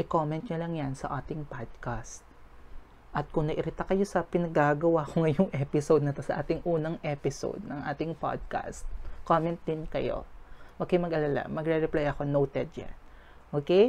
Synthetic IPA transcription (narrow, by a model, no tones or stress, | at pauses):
ʔɪkomɛnt̪ɲɐlɐŋjansɐ̰ʔaːt̪ɪŋpad̪̚kast̪̚ | ʔɐt̪̚kʊŋnɐʔɪɾɪt̪akɐjo̞sɐpɪnɐɡaɡɐwakoŋɐjʊŋʔɛpɪsowd̪̚nɐt̪ɐsɐʔaːt̪ɪŋʔuːnɐŋʔɛpɪso̰d̪̚nɐŋʔaːt̪ɪŋpa̰d̪̚ka̰st̪̚koːmɛnt̪̚d̪ɪnkɐjo̞̰mɐɡ̚kɪmɐɡʔɐlala̰mɐɡɾɛɾɛplajɐko̞nowt̪ɛd̪̚ja̰n | ʔoːkej